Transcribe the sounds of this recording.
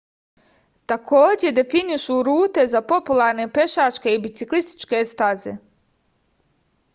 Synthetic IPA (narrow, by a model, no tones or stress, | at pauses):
t̪akʰo̞ːd͡ʑe̞d̪e̞finiʃuɾuːt̪e̞zapo̞pulˠaːɾne̞pe̞ʃat͡ʃke̞ibit̪siklist̪i̥t͡ʃke̞st̪azḛ